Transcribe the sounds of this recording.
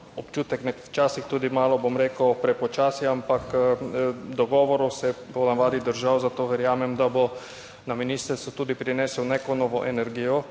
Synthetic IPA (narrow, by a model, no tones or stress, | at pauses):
ɔpt͡ʃuːt̪ɛknɛkt͡ʃaːsixt̪uːd̪imaːlɔbomɾeːkəpɾɛpɔt͡ʃaːsjɛampak | d̪ɔɡɔːʋɔɾɔsɛbɔnaʋaːd̪id̪əɾʒawzat̪oːʋɛɾjaːmɛmd̪abɔ | naminiːst̪əɾsut̪uːd̪ipɾinɛswneːkɔnɔːʋɔʔɛnɛɾɡijɔ